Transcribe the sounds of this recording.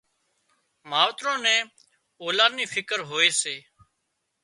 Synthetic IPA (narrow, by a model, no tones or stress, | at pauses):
maːʋt̪ɾõːnɛ̃ː | oːlãːniːfʰɪkəɾɦoːeːseː